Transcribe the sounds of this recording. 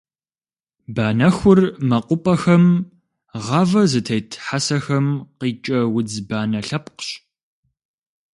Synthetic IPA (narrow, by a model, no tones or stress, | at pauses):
baːnɐxʷʊrmɐqʷʊpʼɐxɐm | ʁɐvɐzɨtʰɐjtʰħasɐxɐmqiːt͡ʃʼɐwʊd͡zbaːnɐɬɐpqɕ